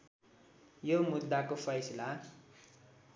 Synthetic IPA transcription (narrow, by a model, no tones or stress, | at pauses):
jomud̪ːakofʌjsila